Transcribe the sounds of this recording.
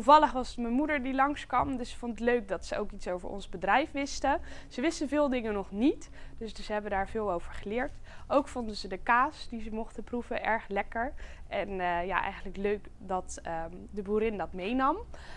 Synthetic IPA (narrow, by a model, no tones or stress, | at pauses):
tuvɑləχʋɑsətməmudəɹdilɑŋskʋɑmdɵsfontətløɥk̚dɑtsəowkitsowvə̰ɹʔɔ̰nzbədrɛjfʋɪstəz̥əʋɪstəvɪːlˠdɪŋənɔχnitd̥ɵssəɦɛbədaːɹvɪːlˠowv̥əɹχəlɪːɹtʔowkfɔndəzədəkaːsdizəmɔχtəpruvəʔɛɹχlɛkəɹʔɛnəja̰ːʔɛ̰jχənləkløɥkdɑtədəbuːɾɪndɑtmejnɑm